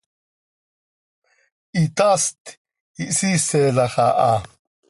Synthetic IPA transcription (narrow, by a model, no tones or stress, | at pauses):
it̪ast̪ | iʔsiselaχaʔa